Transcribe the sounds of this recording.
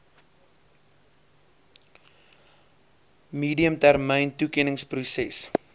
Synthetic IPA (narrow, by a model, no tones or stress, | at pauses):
miːdiəmtærməjntukɛnəŋsprusɛs